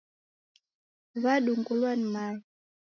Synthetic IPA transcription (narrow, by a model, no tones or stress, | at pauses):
vaɗuŋɡulwanimaji